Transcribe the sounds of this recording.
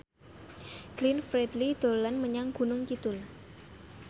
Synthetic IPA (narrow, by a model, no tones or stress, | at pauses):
ɡ̥linfɾɛd̪lid̪̥o̤lanməɲaŋɡ̥ṳnʊŋkit̪ʊl